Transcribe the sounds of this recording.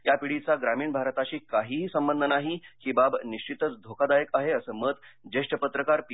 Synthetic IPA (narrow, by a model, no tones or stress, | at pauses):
japiɽit͡saɡɾamiːɳbʱaɾt̪at͡ɕiːkaɦiːɦːsəmbənd̪ʱənaɦikiːbabniɕt͡ɕit̪ət͡sd̪ʱokad̪ajəkaɦeəsəːmət̪d͡ʑeʂʈəpət̪ɾəkaɾpi